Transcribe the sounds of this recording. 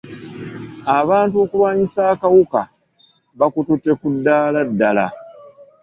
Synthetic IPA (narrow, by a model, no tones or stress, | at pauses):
aβaːntuo̞kulwaːɲisaːkawuka̰ | βakututːe̞kudːaːladːala̰